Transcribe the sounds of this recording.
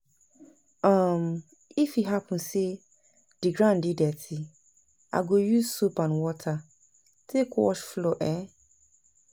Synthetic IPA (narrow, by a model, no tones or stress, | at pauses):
ãm | ifiɦapʰʊ̃n̩se | d̥iɡɾãndɪdɛtʰɪ | a̰ɡojuzsopãnwɔtʰa | tʰekwɔ̰ʃfloʔɛ